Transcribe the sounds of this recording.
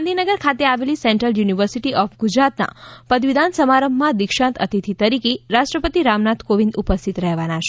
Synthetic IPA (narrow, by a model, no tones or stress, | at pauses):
and̪ʱinəɡəɾkʰat̪eaʋelisɛɳʈɾəljuniʋəɾsiʈiʔɔfɡud͡ʒɾat̪na̰pəd̪ʋid̪ʱansəmaɾəmbːãd̪ikʃãnt̪ə̰t̪it̪ʰit̪əɾikeɾaʃʈɾəpət̪iɾamnat̪ʰkoʋĩnd̪upəst̪ʰit̪ɾəɦʋanaʃe